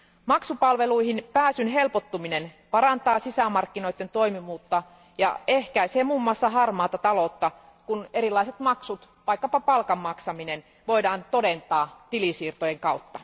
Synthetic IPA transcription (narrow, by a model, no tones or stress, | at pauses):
mɑksupɑlʋe̞luiɦinpæːsynɦe̞lpot̪ːuminenpɑɾɑnt̪ɑːsisæmɑrkːino̞it̪ːent̪o̞imiʋuːt̪ːɑ | jɑ̰e̞hkæiseːmuːmːuɑsːɑɦɑrmɑːt̪ɑt̪ɑlot̪ːɑ | kune̞ɾilːˑɑiset̪mɑksut̪ | ʋɑikːɑpɑpɑlkɑmːɑksɑminen | ʋo̞idɑːnt̪o̞dent̪ɑːt̪ilisiːrt̪ojeŋkɑut̪ːɑ